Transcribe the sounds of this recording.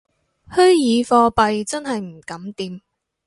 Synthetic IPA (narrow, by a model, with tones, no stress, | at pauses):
hɵ˥ɥjiː˨˧fɔː˧pɐ˨˧jt͡sɐ˥nɦɐ˨jm̩˨˩kɐ˨˥mt̪iː˨m